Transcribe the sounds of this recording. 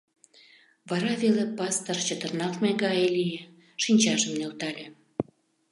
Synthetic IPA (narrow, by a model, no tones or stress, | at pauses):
βɑɾɑβelepɑst̪ərt͡ɕət̪ərnɑkmeɡɑjelije | ʃinʲt͡ɕɑʒəmnelt̪ɑlʲe